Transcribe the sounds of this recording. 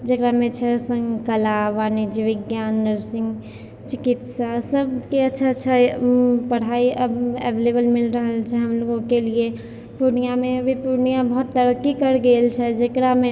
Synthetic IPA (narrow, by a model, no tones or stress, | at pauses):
d͡ʒɐkɾamẽt͡ʃʰɛsə̃ŋkəlaʋaːnid͡ʒiʋɪɡjaːnːəɾsɪ̃ŋɡ | t͡ʃɪkɪt̪sasəbkeɐtːʃʰaətːʃʰapɐɽ̤aːiʔɐbɛ̰ʋeːlebəlmɪlɾəɦəlt͡ʃʰɛɦɐmloːɡõkelie | puɾnijamẽɐbʱipuɾnijabɐɦːt̪ːəɾəkːikəɾɡeːlt͡ʃʰɛd͡ʒəkɾamẽ